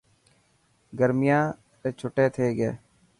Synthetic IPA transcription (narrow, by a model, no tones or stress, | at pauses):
ɡəɾmɪjãː | ɾeːt͡ʃʰʊʈeːt̪ʰeːɡeː